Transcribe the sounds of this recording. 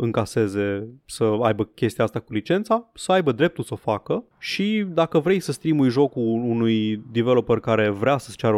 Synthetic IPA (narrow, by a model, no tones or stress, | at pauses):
ɨŋkase̞ze̞səajbəkʲe̞st̪iaast̪akulit͡ʃe̞nt̪sasəajbəd̪ɾe̞p̚t̪ulsəofakə | ʃid̪akəvɾe̞jsəst̪ɾimujʒo̞kuːnujd̪ivelo̞pərkaɾe̞vɾeasə̥st͡ʃaɾə